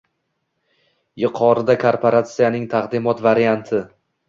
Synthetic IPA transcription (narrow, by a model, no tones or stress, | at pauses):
jɪqʰɒɾɪd̪akʰoɾpʰoɾat̪sijanɪŋt̪ʰaqd̪ɪmɒt̪vaɾijant̪ʰɪ